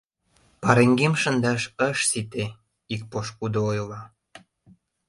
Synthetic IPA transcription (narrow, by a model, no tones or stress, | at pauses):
pɑɾeŋɡemʃənd̪ɑʃəʃsit̪e | ik̚poʃkud̪oojlɑ